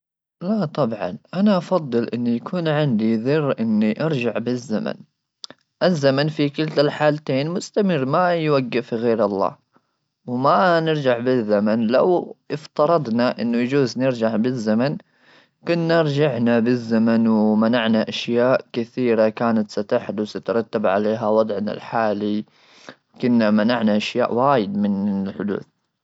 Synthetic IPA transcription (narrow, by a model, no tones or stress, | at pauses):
lat̪ˤɑbʕɑ̰nʔanaʔɑfɑðˤːɨlʔɪnːijakʰuːnʕɪnd̪iðɨrːʔɪnːiʔɑɾˤd͡ʒaʕbɪzːa̰ma̰n | ʔɪzːamanfikɪlt̪alħaːlt̪eːnmʊst̪amɪrːmajwaɡːɪfɣeːɾɑlˤːɑ̰ː | wmanɪɾd͡ʒaʕbɪzːamanlawʔɪft̪ɑɾˤɑd̪ˤnaʔɪ̰nːʊjd͡ʒuːznɪɾd͡ʒaʕbɪzːaman | kʊnːaɾˤd͡ʒaʕnabɪzːamanwmanaʕnaʔaʃjaːʔkɪθiːɾakaːnat̪sat̪aħd̪ʊsat̪ɾˤɑt̪ːabʕa̰leːɦawɑd̪ˤʕna̰lħaːli | kʊnːamanaʕnaʔaʃja̰ːʔwaːjɪd̪mɪnɪlħʊd̪ṵːθ